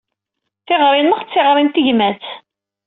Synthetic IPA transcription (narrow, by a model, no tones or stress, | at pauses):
θɪʁɾˤɪnːəʁt͡sːɪʁɾˤimt̪iʝmæt͡s